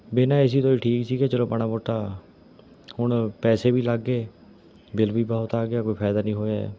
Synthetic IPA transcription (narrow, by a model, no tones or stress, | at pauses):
bɪnãːɪs̬iːt̪oːiːʈʰiːksiːkɛːt͡ʃəlõːpəñaːmoːʈːaː | hʊɳpɛːseːbiːlaɡːeː | bɪlbiːbɔɦʊt̪aːɡɪjaːkoːiːpʰɛːd̪aːnĩːɦoːja̰